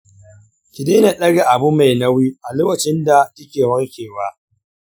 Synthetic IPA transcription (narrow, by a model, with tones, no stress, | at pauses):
kʲɪ˨deː˦na˨ɗɐ˦ɽe˨ʔa˨bu˦ma˨jna˦wi˦ʔa˨loː˦wɐ˨t͡ʃɪ˦nda˨tɐ˦kʲeː˨wɐ˦rkʲeː˨wa˦ʔ